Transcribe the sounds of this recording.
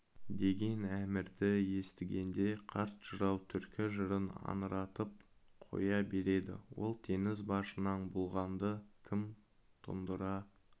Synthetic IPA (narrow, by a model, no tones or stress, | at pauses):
d̪e̞ɡʲe̞næmɪɾd̪ɪje̞st̪ɪɡʲe̞nd̪e̞qʰɑɾt̪ʒ̥əɾɑwt̪ʰʏɾkʲɪʒəɾənɑ̰nəɾɑt̪əp̚ | qʰo̞̰jɑbe̞ɾe̞d̪ɪ̰wo̞̰lˠt̪ʰe̞ŋɪzbɑʃənɑnbʊlˠʁɑnd̪əkʲʰɪm | t̪ʰʊ̰nd̪əɾɑ